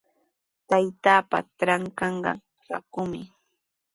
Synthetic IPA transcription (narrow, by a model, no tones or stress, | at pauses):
t̪ajt̪aːpa̰tɾaŋkɑɴɢɑ̰ | ɾa̰kʊmɪ